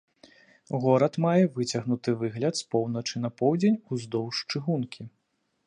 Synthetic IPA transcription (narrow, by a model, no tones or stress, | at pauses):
ɣɔɾɐt̪majɛvɨt͡sʲɐɣnut̪ɨvɨɣlʲɐt̪spɔwnɐt͡ʂɨnɐpɔwd͡zʲenʲuzd̪ɔwʂt͡ʂɨɣunkʲʰi